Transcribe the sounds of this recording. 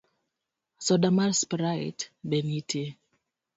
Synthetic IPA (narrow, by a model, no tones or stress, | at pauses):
sɔdamaɾspɾaḭtbenitʰe